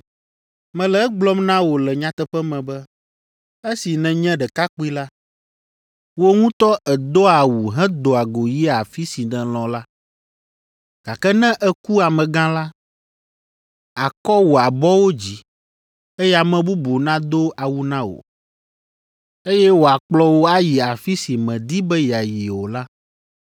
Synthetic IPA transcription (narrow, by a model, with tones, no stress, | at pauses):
mɛ̃˨lɛ˨˦ɡ͡blɔ˦mnã˦wo˨lɛ˨ɲã˨t̪ɛ˦ɸɛ˦mɛ̃˨bɛ˦ | e˦si˨nɛ̃˨ɲɛ̃˦ɖɛ˨ka˦k͡pu˦i˦la˦ | wo˦ŋũ˦t̪ɔ˦ʔɛ˨d̪o˦a˨wu˨ɦɛ̃˦d̪o˨a˨ɡo˨ji˦a˨fi˦si˨nɛ̃˨l̃ɔ̃˨la˦ | ɡ̥a˨kɛ˦nɛ̃˦ʔɛ˦ku˦a˨mɛ̃˨ɡã˦la˦ | a˨kɔ˦wo˨a˨bɔ˦wo˦d͡ʑi˨ | e˦jɛ˦a˨mɛ̃˨bu˦bo˨nã˦d̪o˦a˨wu˦nã˦wo̰˨ | e˦jɛ˦wo˨a˨k͡plɔ˦wo˦a˦ji˨a˨fi˦si˨mɛ̃˨d̪i˦bɛ˦ji˨a˨ji˨wo˨la˦